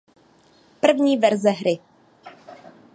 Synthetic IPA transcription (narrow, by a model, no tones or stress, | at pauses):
pr̩vɲiːvɛɾzɛɦɾɪ